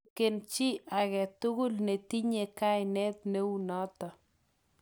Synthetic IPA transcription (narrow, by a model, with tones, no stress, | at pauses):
ke˨nt͡ʃɪ˦ʔa˨ɣɛ˨t̪ʊ˦ɣʊ˦lne˨t̪i˦ɲe˨ka˦jnɛ˦t̪̚ne˦wu˦nɔ˦t̪ɔ˨